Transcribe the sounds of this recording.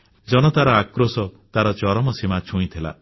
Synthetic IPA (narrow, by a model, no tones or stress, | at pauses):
d͡ʒɔñɔt̪aɾɔakɾosɔt̪aɾɔt͡ʃɔɾɔmɔsimat͡ʃʰũĩt̪ʰila̰